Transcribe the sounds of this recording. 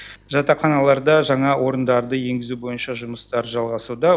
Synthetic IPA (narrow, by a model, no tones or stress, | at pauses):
ʒɑt̪ɑχɑnɑlˠɑɾd̪ɑʒɑɴɑwʔo̞ɾənd̪ɑɾd̪əje̞ŋɡʲɪzubo̞jənʃɑʒʊməst̪ɑɾʒɑlˠʁɑsud̪ɑ